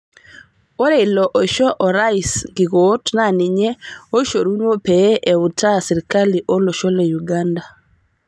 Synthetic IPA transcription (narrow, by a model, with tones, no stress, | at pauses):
o˦ɾe˨lɔ˨ʔo˨ʃɔ˦ʔɔ˨ɾa˦i˨sɡɪ˨ɡo˦tna˦˨nɪ˨ɲɛ˦o˦ʃo˨ɾu˦nwo˦pe˨˦ʔe˨ʊ˨tʰa˦sɪ˨ɾɪ˨ka˦li˨ʔo˦lo˨ʃɔ˦le˨ju˨ɡa˦nda˨